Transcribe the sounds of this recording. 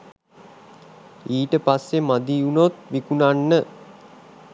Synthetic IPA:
iːʈəpasːemad̪iunot̪ʋikunanːə

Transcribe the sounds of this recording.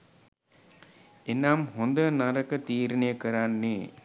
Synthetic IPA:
enamɦond̪ənaɾəkət̪iːɾinejəkəɾanːe

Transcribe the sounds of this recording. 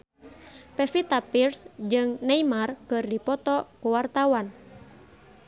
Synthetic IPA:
pɛfit̪apirsd͡ʒɨŋnɛimarkɨrdipɔt̪ɔkuwart̪awan

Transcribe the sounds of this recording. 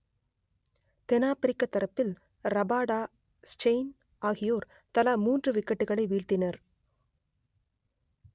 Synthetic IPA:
t̪ɛnaːpɪɾɪkːɐt̪ːɐɾɐpːɪl | ɾɐbaːɽaː | sʈeɪn | ʔaːɣɪjoːɾ | t̪ɐlɐmuːndrɯʋɪkːɐʈːɯɣɐɭɐɪʋiːɭt̪ɪnɐɾ

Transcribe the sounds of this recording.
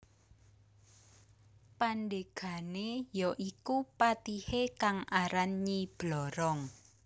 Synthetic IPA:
pandeɡ̥a̤nejɔʔikupat̪ihekaŋʔaɾanɲib̥lɔɾɔŋ

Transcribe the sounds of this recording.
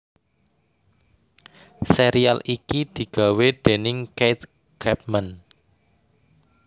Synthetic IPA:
seɾialikid̪̥i̤ɡ̥a̤weɖ̥e̤nɪŋkejt̪̚ | ɡ̥ɛp̚man

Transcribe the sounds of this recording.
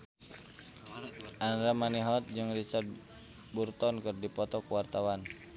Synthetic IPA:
ʔanɾamaniɦɔt̪̚d͡ʒɨŋrisa | burt̪ɔnkɨrdipɔt̪ɔkuwart̪awan

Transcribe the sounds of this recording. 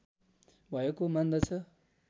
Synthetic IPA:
bʱʌjekomand̪ʌt͡sʰʌ

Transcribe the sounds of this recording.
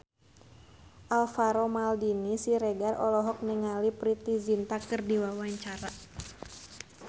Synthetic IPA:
ʔalfaɾomaldinisiɾɛɡarɔlɔɦɔk̚nɛŋalipɾit̪izint̪akərdiwawaɲt͡ʃaɾa

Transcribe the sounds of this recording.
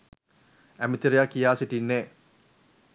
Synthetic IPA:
æmit̪iɾijakːijaːsiʈinːe

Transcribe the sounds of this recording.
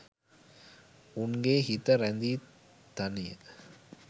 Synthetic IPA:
ʊnɡeːhit̪ːɐɾɐnd̪i | t̪ɐnɪjɐ̰

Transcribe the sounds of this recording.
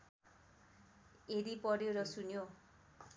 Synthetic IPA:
eɾipʌɾjoɾʌsunjo

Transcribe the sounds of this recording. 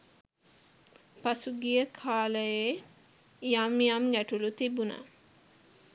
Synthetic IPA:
pasuɡijəkʰaːləje | ijaːmijamɡæʈulut̪ibuna̰

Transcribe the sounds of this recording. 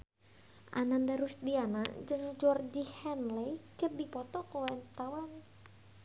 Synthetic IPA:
ʔa̰nandaɾusdiana̰d͡ʒɨŋd͡ʒɔrd͡ʒihɛnlɛjkərdipɔt̪ɔkowɛnt̪awan

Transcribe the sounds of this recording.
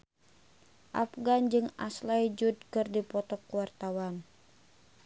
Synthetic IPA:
ʔafɡand͡ʒɨŋa̰slajd͡ʒud̚kɨrdipɔt̪ɔkuwart̪awan

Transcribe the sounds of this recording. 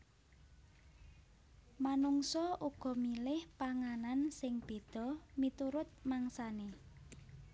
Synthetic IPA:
manuŋsɔʔuɡ̥ɔ̤milɪhpaŋanansɪŋb̥e̤d̪̥ɔ̤mit̪uɾʊt̪̚maŋsane

